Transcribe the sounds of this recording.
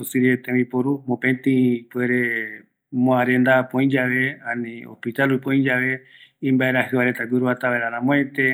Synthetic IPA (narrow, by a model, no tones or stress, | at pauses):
usiɾiet̪ẽĩpoɾumõpẽnt̪ĩpweɾe̞ | mõaɾẽ̞nd̪apõĩɲd͡ʒaʋe̞ãnĩo̰spit̪alupõĩɲd͡ʒaʋe̞ | ĩmbaeɾaɦɨβaɾet̪aɡɨɾuat̪aʋeɾãnãmõẽnt̪e